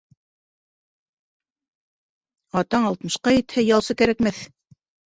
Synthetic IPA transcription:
ɑt̪ɑɴɑlˠt̪mɤ̆ʃqɑjɘ̆t̪hɘjɑlˠsɤkæɾækmæθ

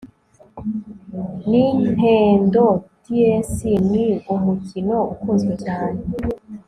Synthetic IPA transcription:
nin̥heːndotiesiniumucino̞ukuːnzɡwecaːne

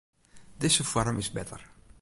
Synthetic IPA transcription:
d̪ezəfɔɾmɪsbɛt̪ə̰ɾ

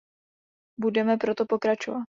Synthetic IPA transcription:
budɛmɛpɾo̞t̪o̞po̞kɾat͡ʃovat̪̚

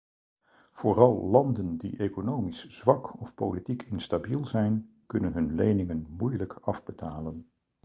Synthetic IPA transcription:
v̥oːrɑlˠlɑndəndḭʔekonowmisz̥ʋɑkɔfpowlitikɪnstabilˠzɛjn | kɵnənɦɵnlejnɪŋənmujləkɑvbətʰaːlən

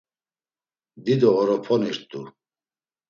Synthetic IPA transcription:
d̪id̪ɔɔɾɔpʰɔniɾt̪ʼu

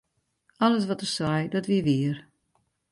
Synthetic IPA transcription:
ɔlˠəs̬ʋɔtərsɛjdɔtʋiʋiər

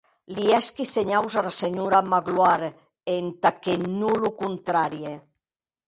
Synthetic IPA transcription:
liɛskiseɲawzalaseɲuɾamaɣlwaɾ | ent̪akenulukunt̪ɾaɾie

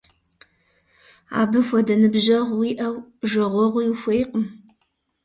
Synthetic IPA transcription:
a̰ːbɨxʷɔdɐnɨbʒɐʁwiːʔɐwʒɐʁʷɔʁʷʊjuxʷejqəm

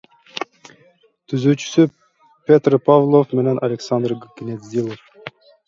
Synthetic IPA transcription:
t̪ʰyzyːt͡ʃy̥sy | pʲet̪rpʰavlˠofmenenʔɐlʲeksand̪rɡnʲed̪zʲilˠof

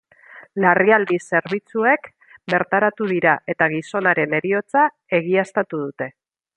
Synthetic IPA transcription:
lariald̪ise̞ɾβit͡sue̞k | be̞ɾt̪aɾat̪uð̞iɾaʔe̞t̪aɣ̞iso̞naɾe̞ne̞ɾio̞t͡sa | e̞ɣ̞iast̪at̪uð̞ut̪e̞

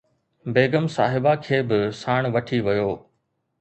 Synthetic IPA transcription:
beːɡəmsa̰ːɦɪbakʰeːbɪsaːɽ̃ʋɐʈʰiʋɐjoː

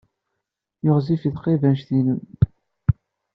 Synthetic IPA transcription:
joʁzifiθqevænʃθinən

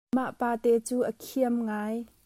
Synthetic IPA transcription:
maʔpaːt̪ɛt͡suːʔəkʰiəmŋaːj

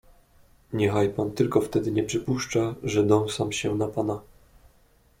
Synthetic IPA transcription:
ɲɛxajpant̪ɘlkɔft̪ɛd̪ɘɲɛpʂɘpuʂt͡ʂaʐɛd̪ɔ̃w̃samɕɛnapana

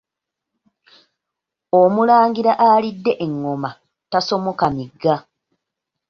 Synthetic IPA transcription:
omulaːŋɡiɾaʔalidːe̞ʔeŋːo̞ma | taso̞mo̞kamiɡːa

